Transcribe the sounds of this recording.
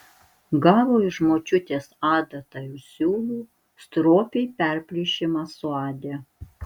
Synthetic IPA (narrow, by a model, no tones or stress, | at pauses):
ɡɑːʋoːɪʒmoːt͡ʃʲʊt̪ʲeːsɑːd̪ɐt̪ɐjuːsʲuːlˠuː | st̪ɾoːpʲɛɪpʲɛɾʲpʲlʲiʃʲɪmɑsʊɑːd̪ʲe